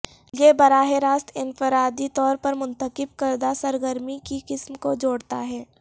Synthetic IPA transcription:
jebɐɾaːɦeɾaːst̪ʰɪnfəɾaːd̪it̪ɔːɾpɐɾmʊ̃nt̪əqɪb̚kɐɾd̪asɐɾɡəɾmikiqɪsmkod͡ʒoːɽt̪a̰ɦɛː

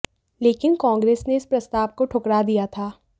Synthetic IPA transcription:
leːkɪnkɔ̃ːŋɡɾeːsneɪspɾɐst̪aːʋkoʈʰʊkɽad̪ijat̪ʰaː

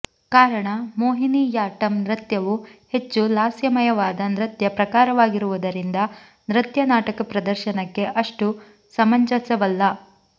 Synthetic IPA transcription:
kaːɾɐɳɐmoːɦinijaːʈɐmnɾɐt̪jɐʋuhe̞t͡ʃːulaːsjɐmɐjɐʋaːd̪ɐnɾɨt̪jɐpɾɐkaːɾɐʋaːɡiɾuʋud̪ɐɾind̪ɐ | nɾɐt̪jɐnaːʈɐkɐpɾɐd̪ɐɾʃɐnɐkːe̞ʔɐʂʈu | sɐmɐɲd͡ʒɐsɐʋɐlːɐ

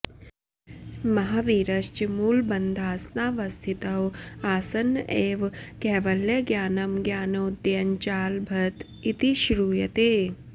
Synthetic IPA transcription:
mɐɦaʋiːɾɐʃt͡ʃimuːlbɐnd̪ʱaːsnaːʋɐst̪ʰit̪ɐwaːsɐnʔeːʋkɛːʋɐlːjɐɡjaːnɐmɡjaːnoːd̪jɐɲt͡ʃaːlbʱɐt̪ | it̪iʃɾuːjɐt̪eː

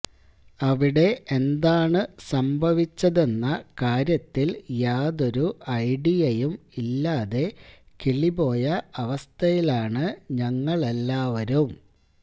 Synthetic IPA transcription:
ɐʋiɽe̞ʔend̪aːɳɨsɐmbʱɐʋit͡ɕːɐðe̞nːɐkaːɾjɐt̪ːiljaːðo̞ɾuɐjɖijɐjumilːaːðe̞ | kiɭibo̞ːjɐɐʋɐst̪ʰɐjilaːɳɨɲɐŋːɐɭelːaːʋɐɾum

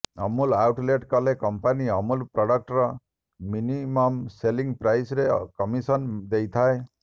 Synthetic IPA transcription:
ɔmulawʈleʈkɔlekɔmpaniɔmulpɾɔɽɔk̚ʈɔɾɔ | minimɔmseliŋɡpɾajsɾekɔmisɔnd̪ejt̪ʰae

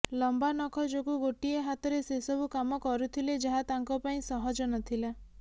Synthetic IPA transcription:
lɔmbanɔkʰɔd͡ʒoɡuɡoʈieɦat̪ɔɾesesɔbʱukamɔkɔɾut̪ʰiled͡ʒaɦat̪aŋkɔpaĩsɔɦɔd͡ʒɔnɔt̪ʰila

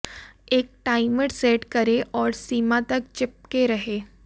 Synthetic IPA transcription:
eːk̚ʈaːɪməɽseːʈkəɾeʔɔːɾsiːmat̪ɐk̚t͡ʃɪp̚keɾɐɦeː

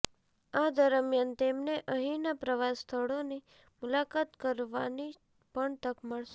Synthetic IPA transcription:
ad̪əɾmjant̪emneʔəɦinapɾəʋast̪ʰəɭoni | mʊlakat̪kəɾʋani | pəɳt̪əkməɭʃe

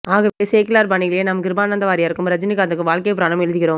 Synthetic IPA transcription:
aːɣɐʋeːseːkɪlaːɾpɐɳɪɣɪɭjenɐmkɪɾbaːnɐnd̪ɐʋaːɾɪjaɪɾɯkːɯmɾɐd͡ʒɐnɪkːɐðɯkːɯʋaːɭkejɐpːɯɾaːɳɐmɛɻɯðɪkɪɾoːm

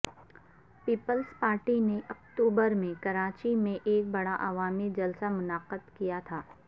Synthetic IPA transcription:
piːpəlspaːɾʈineʔɐk̚ʈ̪uːbəɾmẽkɐɾaːt͡ʃimẽʔeːk̚bɐɽaʔaʋaːmid͡ʒɐlsamʊnaːqəd̪kijat̪ʰaː

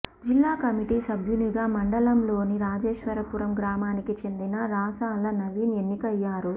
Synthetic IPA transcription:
d͡ʒilːaːkɐmiʈiːsɐbʱjuniɡaːmɐɳɖɐlɐmlo̞ːniɾaːd͡ʒeːʃʋɐɾɐpuɾɐmɡɾaːmaːnikit͡ʃe̞nd̪inɐɾaːsaːlɐnɐʋiːne̞nːikɐjːaːɾu

